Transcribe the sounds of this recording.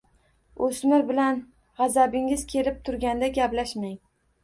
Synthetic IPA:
osmɪɾbɪlan | ʁɑzabɪŋɪz̥kʲʰe̞lɪp̚t̪ʰʊɾɡʲand̪aɡʲaplaʃmaŋ

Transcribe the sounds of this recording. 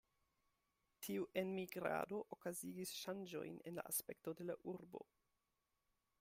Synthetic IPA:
tʰiuʔe̞nmiɡɾa̰do̞ʔokaziɡisʃand͡ʒo̞̰jne̞̰nla̰ʔaspe̞k̚to̞de̞laʔuɾbo̞̰

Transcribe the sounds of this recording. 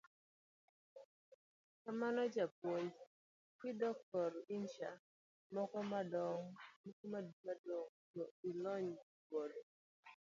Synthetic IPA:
kamanɔd͡ʒapwoj | kidɔk̚tɔrɪnʃa | mɔkɔmadɔŋmɔkɔmadmadoŋtɔilɔɲ | bodo

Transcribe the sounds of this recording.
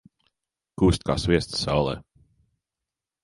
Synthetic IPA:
kuːst̪̚ka̰ːsvʲiɛst̪ssa̰wlˠɛ̰ː

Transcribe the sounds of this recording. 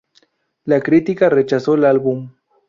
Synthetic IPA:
lakɾit̪ikaret͡ʃasolalbum

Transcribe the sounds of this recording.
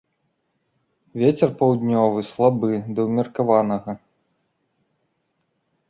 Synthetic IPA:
vʲet͡sʲɛrpɐwd̪ʲnʲɔvɨslˠabɨd̪ɐwmʲɐrkavanɐɣɐ

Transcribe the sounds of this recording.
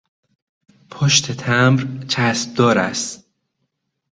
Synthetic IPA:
pʰoʃt̪ʰet̪ʰæmɾt͡ʃʰæsb̚d̪ɒːɾæst̪

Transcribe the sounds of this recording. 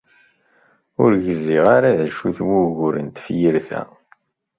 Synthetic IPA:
ʊɾʝəziʁaɾaðæʃuθwuʝʊɾə̰nt̪fjəɾθæ̰

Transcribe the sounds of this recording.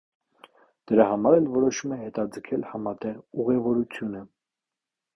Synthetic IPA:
d̪̥əɾɑhɑmɑɾɛlvɔɾɔʃumɛhɛt̪ɑd͡zəkʰɛlhɑmɑt̪ɛʁuʁɛvɔɾut͡sʰjunə

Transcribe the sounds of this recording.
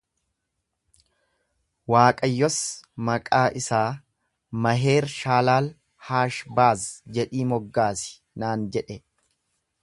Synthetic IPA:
waːkʼɐjːɔsmɐkʼaːʔɪsaː | mɐɦeːɾʃaːlaːl | haːʃbaːzd͡ʒɛᶑiːmɔɡːaːsɪ̥ | naːnd͡ʒɛᶑɛ

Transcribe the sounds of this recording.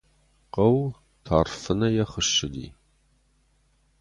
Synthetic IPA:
qɐw | tʰaːrfɨnɐjɛχəʃɪdḭː

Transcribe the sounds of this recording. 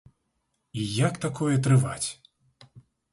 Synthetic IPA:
ijakt̪akʰɔjɛt̪ɾɨva̰t͡sʲ

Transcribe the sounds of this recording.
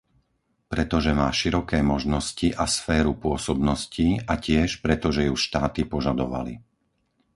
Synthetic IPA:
pɾɛt̪ɔʒɛmaːʃiɾɔkɛːmɔʒnɔsciʔasfɛːɾupʊɔsɔbnɔsciːacɪɛʃpɾɛt̪ɔʒɛjuʃt̪aːt̪ipɔʒad̪ɔʋa̰lḭ

